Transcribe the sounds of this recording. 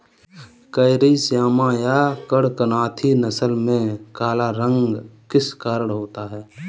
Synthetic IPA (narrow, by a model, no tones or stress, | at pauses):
kəɪɾisjaːmãjakəɽkənaːt̪ʰinəsəlmẽkaːlaɾə̃ŋɡkɪskaːɾəɽɦoːt̪aɦɛː